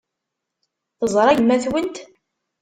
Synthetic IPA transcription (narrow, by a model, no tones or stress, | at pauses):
θəzˤɾˤɑjəmːæθwənt̪